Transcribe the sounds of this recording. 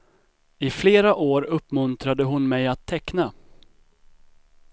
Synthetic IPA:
ɪfleːɾaʔoːɾɵpːmɵnt̪ɾad̪əɦʊnmɛjat̪ʰːɛkna

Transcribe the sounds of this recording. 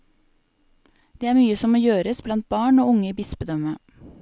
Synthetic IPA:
d̪̥eːæːɾmyːəsɔmoːjøːɾəsblɑnt̪̚bɑːɳoːʊŋəiːbɪsbəd̪œmə

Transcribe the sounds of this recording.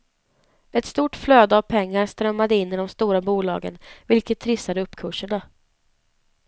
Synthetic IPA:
ɛt̪st̪uːʈfløːd̪əavpʰɛŋːaɾst̪ɾœmːad̪əɪnːɪd̪ɔmst̪uːɾabuːlɑ̰ːɡə̰nvɪlkət̪ʰːɾɪsːad̪əɵpːkʰɵʂəɳa

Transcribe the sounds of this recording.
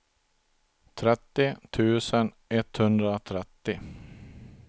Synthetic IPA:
t̪ʰɾɛt̪ːɪt̪ʰʉ̟ːsən | ɛt̪hɵnd̪ɾaɔt̪ʰɾɛt̪ːɪ

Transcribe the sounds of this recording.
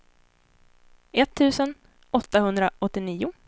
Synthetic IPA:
ɛt̪ʰːʉ̟ːsən | ɔt̪ːahɵnd̪ɾaʔɔt̪ːɪniːʊ

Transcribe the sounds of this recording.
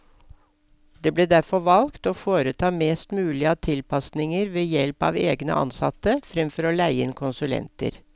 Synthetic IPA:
d̪̥eːbleːd̪æɾfɔʋɑlkt̪oːfoːɾət̪ʰɑːmeːst̪mʉːlɪət̪ʰɪlpʰɑsnɪŋəɾʋeːjɛlpɑ̰ːʋeːɡnə̰ʔɑ̰nsɑ̰t̪əfɾɛmfɔɾɔlæɪəɪnkʰʊnsʉlɛ̰nt̪ə̰ɾ

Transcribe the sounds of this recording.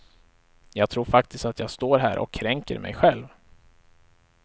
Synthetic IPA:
jɑːɡ̚t̪ʰɾuːɾfak̚t̪ɪst̪at̪ʰjɑːɡst̪oːɾɦæːɾʔɔ̰kʰːɾɛŋkə̰ɾmɛ̰jɧɛlv

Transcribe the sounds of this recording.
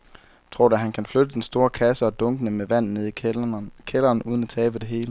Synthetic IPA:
t͡sʰʁo̝ɐ̰ɾæɦænkʰænflød̥əd̥ensd̥o̝ːɐkʰæsəɒ̽d̥ɔ̽ŋɡ̥ənəmeʋæn̰̩ne̝ð̰ˠikʰelɐːnuːð̞ˠnæt͡sʰɛːb̥əd̥e̝ɦe̝ːlə

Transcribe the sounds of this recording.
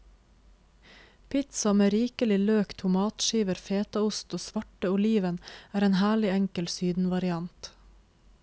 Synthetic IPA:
pʰɪt̪sɑmeːɾiːkəlɪløːkt̪ʰʊmɑːt̪ʃiːʋəɾfeːt̪ɑʊst̪oːsʋɑʈəʊliːʋənæːɾeːnhæːɭɪæŋkəlsyːd̪n̩ʋɑɾɪɑnt̪

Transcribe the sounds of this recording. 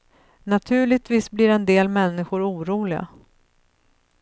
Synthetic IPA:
nat̪ʰʉ̟ːɭɪɡ̚t̪viːsbliɾɛnd̪eːlmɛnːɪɧʊɾuːɾuːlɪɡa̰

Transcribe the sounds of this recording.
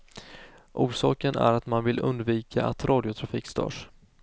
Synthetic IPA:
ʔuːʂɑːkənæ̰ɾat̪manvɪlɵ̰nd̪viːkʰa̰ʔat̪ɾʔɑːd̪ɪʊt̪ʰɾafiːkst̪œ̰ːʂ

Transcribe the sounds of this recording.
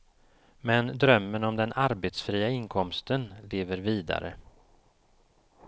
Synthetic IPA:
mɛnd̪ɾœmːənɔmd̪ɛnʔaɾbeːt̪sfɾiːaɪnkʰɔmst̪ənleːvəɾviːd̪a̰ɾə̰

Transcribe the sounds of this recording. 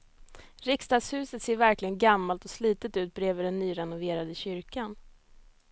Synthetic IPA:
ɾɪkst̪ɑːɡshʉ̟ːsət̪seːɾvæɾklɪɡənɡamːalt̪ɔsliːt̪ət̪ʉ̟ːt̪̚bɾeːvəɖɛnːyːɾɛnʊveːɾad̪əɕʏɾkan

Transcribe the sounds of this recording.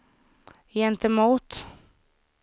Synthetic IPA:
jɛnt̪əmuːt̪

